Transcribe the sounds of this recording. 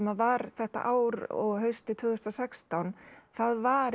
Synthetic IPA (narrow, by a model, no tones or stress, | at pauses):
mavaɾθɛht̪a̰ʔaːwɾɔ̰ɣɦœɥst̪ɪt̪ʰvʏːɣðʏst̪ɾasɛkst̪awnθaðvaɾ